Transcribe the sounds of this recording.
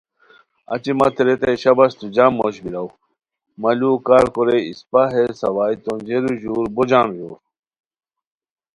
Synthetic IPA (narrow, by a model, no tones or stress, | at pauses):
ɐ̰t͡ɕimɐt̪ʰeɾet̪ɐjɕɐbɐst̪ud͡ʑaːmːoɕbiɾaw | mɐlukaːɾkoɾeḭspaɦesɐwaːjt̪ond͡ʑeɾuʑuːɾbod͡ʑaːnvoːɾ